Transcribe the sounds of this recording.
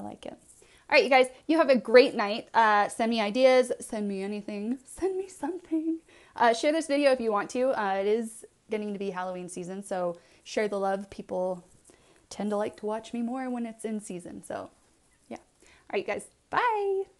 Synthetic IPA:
aɪla̰ɪkɪ̰t̚ | ʔɑɹaɪʔ̚jɨɡ̥aɪz̥jɨːvɨɡɹeɪtⁿnaɪt̚ʌsɛ̃nmiaɪdiɨz̥sɛ̃nmiɛniθɪ̃ŋsɛ̃nmisʌ̃mθɪ̃ŋ | ʔʌʃɛɹðɪsvɪɾioʊɨfjɨwɑ̃ntʰʉʌɪɾɪz | ɡ̥ɛɾɪ̃ŋtʰɨbiɦælˠoʊĩnsizɨ̃nsoʊ | ʃɛɹðəlʌv̥pʰipl̩ˠ | tʰɛ̃ntʰəlaɪk̚tʰəwɑt͡ʃmimɔɹwə̃nɨtsɨ̃nsizɨ̰̃nso̰ʊ | jæ̰ | ɹaɪɡ̥aɪz̥ | b̥aɪ

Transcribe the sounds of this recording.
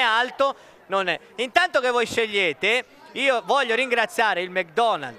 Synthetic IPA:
ɛalt̪o | nonɛ | int̪ant̪okevːɔjʃeʎːeːt̪e | iːovɔʎːoɾiŋɡɾat̪sːjaːɾeilmɛk̚d̪ɔna̰ld̪

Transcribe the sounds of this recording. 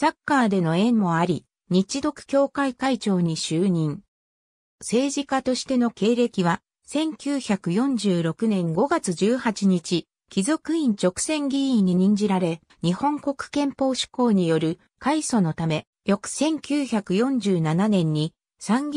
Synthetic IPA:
sakːaːd̪e̞no̞ẽ̞mmo̞aɾʲi | ɲ̟it͡ɕid̪o̞kɯ̟̥kʲo̞ːkaikait͡ɕo̞ːɲ̟iɕɨːɲ̟ĩŋ | se̞ːʑikat̪o̞ɕi̥t̪e̞no̞ke̞ːɾe̞kʲiβ̞a | sẽ̞ŋkʲɨːçakɯ̟jõ̞ɲd͡ʑɨːɾo̞kɯ̟nẽ̞ŋɡo̞ɡat͡sɨʑɨːhat͡ɕiɲit͡ɕi | kʲizo̞kɯ̟ĩɲ̟t͡ɕo̞kɯ̟̥sẽ̞ŋɡʲiĩɲ̟ɲːiɲ̟ĩɲ̟d͡ʑiɾaɾe̞ | ɲ̟ihõ̞ŋko̞kɯ̥kẽ̞mpo̞ːɕi̥ko̞ːɲ̟ijo̞ɾɯ̟ | kaiso̞no̞t̪ame̞ | jo̞kɯ̟̥sẽ̞ŋkʲɨːçakɯ̟jõ̞ɲd͡ʑɨːnananẽ̞ɲ̟ːi | sãŋɡʲ

